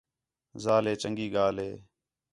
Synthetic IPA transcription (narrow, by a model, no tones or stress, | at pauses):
zaːleːt͡ʃəŋɡiːɡaːleː